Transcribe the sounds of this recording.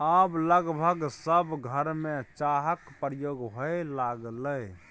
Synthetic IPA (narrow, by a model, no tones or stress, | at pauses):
abləɡbʱəɡsəbɡʱəɾmet͡ʃaɦəkpɾjoɡɦoelaɡləj